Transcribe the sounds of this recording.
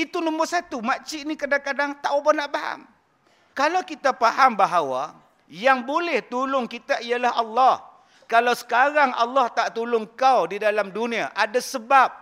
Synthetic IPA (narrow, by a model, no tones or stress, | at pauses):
it̪unɔ̃mbʊrsat̪umat͡ʃinĩkadakadaŋt̪aʔubahnaʔpaɦa̰m | kalawkit̪apaɦambaɦawa̰ | jaŋbolɛht̪ulʊŋkit̪aʔijalaɦɑlːɑh | kalawsə̥kaɾaŋɑ̰lːɑht̪aʔt̪ulʊŋkawdidalamdunĩaʔadasəbap̚